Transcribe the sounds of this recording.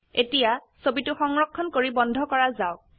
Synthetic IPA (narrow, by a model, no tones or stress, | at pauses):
etija | sobitʊxɔŋɹɔkʰːɔnkoɹibɔndʱɔkɔɹazaʊk̚